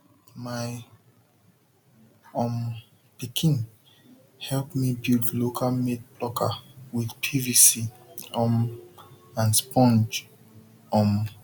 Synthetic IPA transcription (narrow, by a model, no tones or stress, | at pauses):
maɪ | ɔ̃m | pikʰĩn | hɛlpmibildlokʰalmed̚plɔkʰa̰wiðpʰivisi | ɔ̃m | ãnspʰɔ̃nd͡ʒ | ɔ̃m